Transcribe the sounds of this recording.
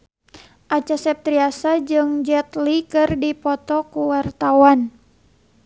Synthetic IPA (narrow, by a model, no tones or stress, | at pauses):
ʔat͡ʃasɛp̚t̪ɾiasad͡ʒɨŋd͡ʒɛt̪likɨrdipɔt̪ɔkuwart̪awan